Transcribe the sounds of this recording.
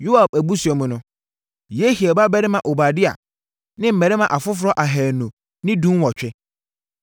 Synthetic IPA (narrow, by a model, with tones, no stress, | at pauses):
ju˦a˨bæ˨bu˦su˨ɔ˨mʊ̃˨nʊ̃˦ | je˦hi˨ɛ˨ba˦bɛ˦ɾɪ˦mã˨ʔo˨ba˨dɪ˦a̰˨ | nɪ̃˦m̩˦mɛ̃˨ɾɪ˦mã˨ʔa˨fʊ˦f̬ʊ˨ɾɔ˦ʔa˨ɦɛː˨nũ˨ | nɪ̃˦dũ˦n˦wɔ˨t͡ɕᶣɛ˦